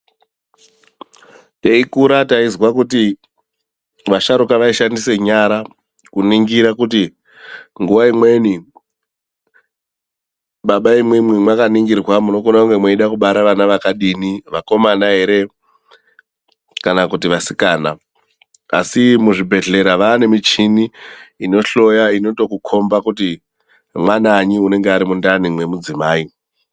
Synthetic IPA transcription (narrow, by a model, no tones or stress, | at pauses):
teikuɾataizwakuti | ʋaʃaɾukaʋaiʃandise̞ɲaɾa | kuniŋɡiɾakuti | ŋɡuʋaimwe̞ni | ɓaɓaimwemwemwakaniŋɡirwamuno̞konakuŋɡe̞mweiɗakuɓaɾaʋanaʋakaɗiːniʋako̞manaɦe̞ɾe̞ | kanakutiʋasikaːna | a̰simuʐibʱe̞ɮe̞ɾaʋaːne̞mit͡ʃiniino̞ɬo̞jaino̞to̞kukʰo̞mbakuti | mwanaɲiune̞ŋɡeaɾimundanimwe̞mud͡zimaːi